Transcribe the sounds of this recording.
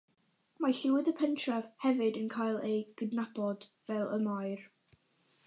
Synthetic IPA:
maɬɪwɨðəpʰɛntʰrav̥hɛvɨdənkʰajlˠejɡ̥ədnab̥ɔd̥vɛlˠəmaɨr

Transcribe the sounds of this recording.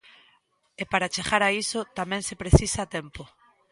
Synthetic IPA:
epaɾat͡ʃeɣaɾaisʊt̪amɛ̃ŋsepɾeθisat̪ɛmpo

